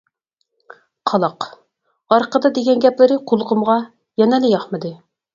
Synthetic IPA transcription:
qʰɑlˠɑq | ɑɾqəd̪ɑd̪eɡʲɛnɡʲɛplɪɾɪqʰolˠqəmʁɑ | jɛnɛlɪjɑχmɨd̪ɨ

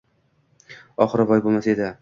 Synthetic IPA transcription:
ɒχɨɾɪbɒjbolˠmasae̞d̪ɪ

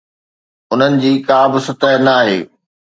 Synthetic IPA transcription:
ʊn̤ənɪ̆d͡ʑiːkaːbɪsʊt̪əɦnaːɦḛː

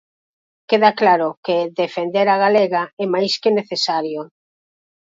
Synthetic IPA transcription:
keðaklaɾʊkeðefend̪eɾaɣ̞alɛɣaɛmajskeneθesaɾjo

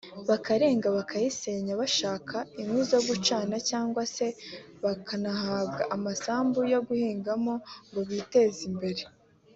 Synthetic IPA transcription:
βakaɾe̞ːŋɡaβakʰajise̞ɲaβaʃaːkʰaimwizoɡut͡ʃaːnacaːŋɡwase̞ | βakanahaːβɡaʔamasaːmbujo̞ɡuhiːŋɡamoŋɡo̞βite̞zimbe̞ɾe̞

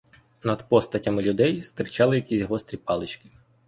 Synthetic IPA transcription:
nɐd̪pɔst̪ɐtʲɐmɪlʲʊd̪ɛjst̪ɾɪt͡ʃɑlˠɪjɐkʲizʲɦɔst̪ɾʲipɑlˠɪt͡ʃkɪ̥

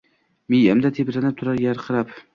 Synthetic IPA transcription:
mijamd̪at̪ʰepɾanɪp̚t̪ʰʊɾaɾjaɾqʰɨɾap

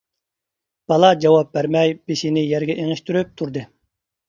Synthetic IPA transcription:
b̥ɑlˠɑd͡ʒɑwɑp̚bæɾmɛjb̥eʃinɪjɛɾɡʲɛʔeŋɪʃt̪yɾyp̚t̪ʰuɾd̪ɨ

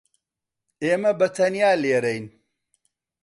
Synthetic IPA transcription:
eːmɐbɐt̪ʰɐnijaːleːɾɛjn

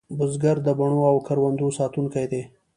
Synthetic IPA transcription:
bʊzɡaɾd̪əbaɳ̃oawkʰaɾwand̪osɑt̪unkajd̪e

